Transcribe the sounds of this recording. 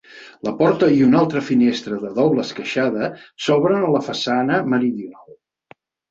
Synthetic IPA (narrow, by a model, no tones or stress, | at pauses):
ləpɔɾt̪əiunalˠt̪ɾəfinest̪ɾəðəðɔβləskəʃaðəsɔβɾənələfəsanəməɾiðjunalˠ